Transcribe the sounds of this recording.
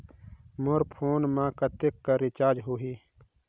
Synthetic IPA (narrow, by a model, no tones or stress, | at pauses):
moɾpʰoːnmãkɐt̪ekːaɾit͡ʃaːd͡ʒɦuɦi